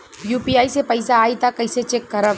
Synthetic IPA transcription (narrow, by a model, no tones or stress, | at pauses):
juːpiaːisepɐɪsaːit̪akɐɪset͡ʃeːkːɐɾəb